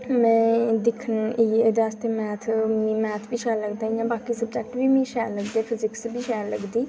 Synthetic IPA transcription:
mɛ̃ːd̪ɪkʰːənied̪aːst̪eːmɛːt̪ʰmĩːmɛːt̪ʰbiːʃɛːləɡd̪aːĩãːbaːkiːsəbd͡ʒɛːk̚ʈbiːmĩːʃɛːləɡd̪eːpʰɪzɪksbʱiːʃɛːləɡd̪iː

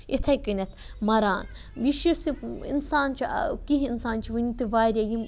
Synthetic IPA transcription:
it̪ʰɐjkɨnʲɐt̪ʰmɐɾaːn | biʃisiḭnsaːnt͡ʃʰḭkiɦinsaːnt͡ʃʰiʋɨnʲit̪ɨʋaːɾʲɐjim

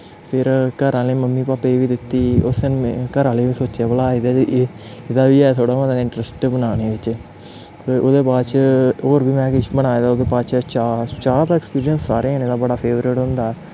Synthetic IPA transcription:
pʰɪɾkəɾãːleːməmːiːpaːpːeːʋiːd̪ɪt̪ːiːʊsənkəɾãːleːʋiːsoːt͡ʃɛːbəlaːid̪a | ɪd̪aːʋiːɛːt̪ʰoːɽaːmãd̪aːɪ̃ɳʈɾəsʈbənaːneːʋɪt͡ʃ | ʔoːd̪eːpaːdt͡ʃoːɾbiːmɛ̃ːkɪʃbənaːed̪aːod̪eːpaːt͡ʃʰt͡ʃat͡ʃaːɾt̪aːɛkspiːɾijənsːaːɾeːeneːd̪aːbəɽaːpʰeːʋɾɪʈɦʊ̃nd̪aː

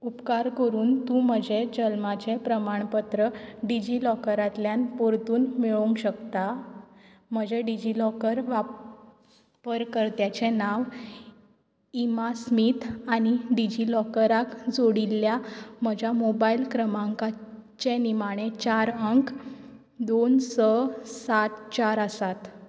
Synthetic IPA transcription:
upkaɾkəɾuːnt̪ũm̤əd͡ʑʱed͡ʑəlmat͡ɕepɾəmaɳpət̪ɾəɖid͡ʑilɔkəɾat̪ljanpoɾt̪uːnmiɭouŋkɕəkt̪a | m̤əd͡ʑʱeɖid͡ʑilɔkəɾʋa | pəɾkəɾt̪jat͡ɕenaʋ | imasmit̪añiɖid͡ʑilɔkəɾakd͡zoɽilːjam̤əd͡ʑʱjamobailkɾəmaŋkat͡ɕenimaɽ̃et͡ɕaɾəŋk | d̪onsəsat̪t͡ɕaɾəsat̪

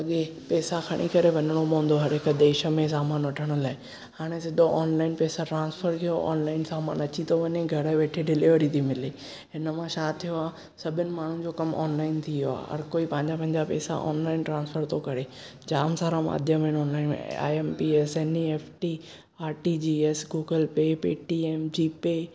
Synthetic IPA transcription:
ɐɠepɛːsakʰɐɽ̃ikɐɾeʋɐɲəɽ̃omõːnd̪oɦɐɾɦɪkd̪eːʃə̆mẽs̬aːmaːnʋɐʈʰəɽ̃ʊ̆laːɪ | haːɽ̃esɪɗ̪oʔɔːnlaːɪnpɛːsaʈɾãːnsfʰəɾkʰijoʔɔ̰ːnlaːɪnsaːmaːnɐt͡ɕit̪ʰoʋɐɲeɡʱɐɾəʋeːʈʰeɖɪlɪʋəɾit̪ʰimɪle | ɦɪnəmãʃaːt̪ʰijoaː | sɐbʱɪnɪ̆maːɳ̤ũd͡ʑokɐmɔ̰ːnlaːɪnt̪ʰijoa̰ːɦɐ̰ɾkoːipɐ̃ɦɪɲd͡ʑapɐ̃ɦɪ̃ɲd͡ʑapɛ̰ːsa̰ʔɔ̰ːnlaːɪnʈɾãːnsfʰəɾt̪ʰokɐɾe | d͡ʑaːmsaːɾãma̰ːd̪ʱjəmẽnɔːnlaːɪn̰a̰ːempiɛsɛːnieːfʈi | aːɾʈid͡ʑiɛsɡuːɡəlpepiːʈiɛmd͡ʑiːpe

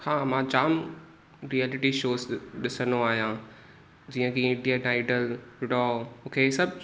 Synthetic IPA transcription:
hãːmãːt͡ɕaːm | ɾiɛːlɪʈiʃoːzɗɪsəndoaːɦijã | d͡ʑiːə̃kiɪ̃ɖijaʈaːɪɖəlɪɖɔmũːkʰeːsɐbʱ

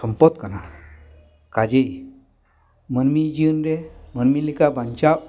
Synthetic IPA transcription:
ɔmpɔt̪̚kana | kad͡ʒej | mənmid͡ʒɯnɾemənmilikabant͡ʃaʔ

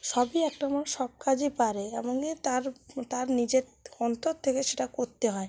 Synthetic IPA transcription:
ʃɔbiɛk̚ʈamaɾʃɔb̚kad͡ʑʱipaɾeɛboŋit̪aɾt̪aɾnid͡ʑeɾɔnt̪oɾt̪ʰekeʃeʈakoɾt̪eɦɔe

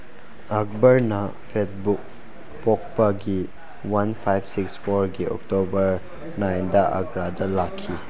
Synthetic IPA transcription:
ɐk̚bɐɾnɐ | pʰet̚buk̚ | pɔk̚pɐɡi | wanpʰajbsikspʰoɾɡiɔ̰k̚tobɐɾ | najndɐʔɐ̰ɡɾadɐlakʰːi

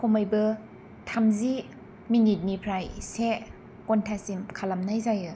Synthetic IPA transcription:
kʰomajbɯ | tʰamzi | minit̚nipʰɾajse | kɔntʰasimkʰalamnajzajɯ

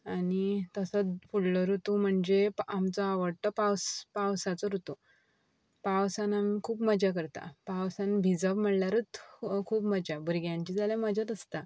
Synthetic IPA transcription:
anit̪əsət͡sfuɽləɾut̪um̤əɳd͡zepamt͡səaʋəɽt̪əpawspawsat͡səɾut̪u | pawsanamikʰuːpməd͡ʑak̬əɾt̪a̰pawsãnbʱid͡zəbm̤əɽljaɾət͡skʰuːpməd͡ʑabuɾɡjãɲt͡ɕid͡zaljaməd͡ʑat̪əst̪a

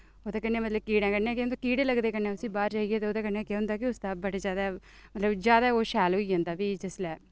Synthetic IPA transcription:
oːd̪aːkɛnːeːmət̪ləb̚kiːɽãːkənːẽːkẽnd̪aːkiːɽeːləɡd̪eːkənːẽːʊsĩːbaːɾd͡ʒaːiɡeːt̪eːoːd̪aːkənːeːkɛ̃ːʊ̃nd̪aːkɪʊsd̪aːbəɽeːzjaːd̪aː | mət̪ləbd͡ʒjaːd̪aːoːʃɛːlɦoːiːɦãːnd̪aːbiːd͡ʒɪslɛː

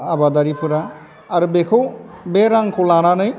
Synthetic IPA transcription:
abad̪aɾipʰɯɾaː | ɾubekʰobɛɾaŋkʰolananɯj

